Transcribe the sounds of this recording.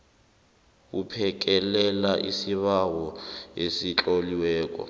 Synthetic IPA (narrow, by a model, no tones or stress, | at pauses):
kupʰɛk̬ʼɛlɛlaʔisiβawɔesit͡ɬʼoliwɛːk̬ʼɔ̰